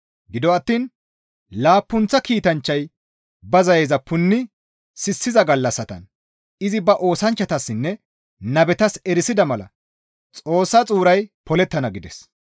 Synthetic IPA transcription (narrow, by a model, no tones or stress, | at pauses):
ɡɪd̪ɔɐt̪ːiːn | laːpːʊnt͡sːɐkiːt̪ɐnt͡ʃːɐj | bɐzɐjeːzɐpːʊnːɪ | sɪsːɪzɐɡɐlːɐsːɐt̪ɐ̰n | ɪzɪbɐʔo̞ːsɐnt͡ʃːɐt̪ɐsːɪnːɛ | nɐbɛt̪ɐsɛɾɪsɪd̪ɐmɐlɐ̰ | t͡sʼo̞ːsːɐt͡sʼuːɾɐjpɔlɛt̪ːɐnɐɡɪd̪ɛs